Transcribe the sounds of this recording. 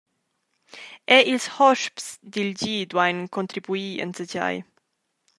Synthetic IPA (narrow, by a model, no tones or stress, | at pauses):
ɛʔilshɔʃpsd̪ild͡ʒiːd̪wajnkont̪ɾibuiə̰nt͡səd͡ʒa̰j